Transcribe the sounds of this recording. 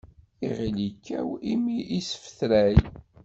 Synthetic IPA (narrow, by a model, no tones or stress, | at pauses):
iʁilikːæ̰wimiʔisə̥fθɾæj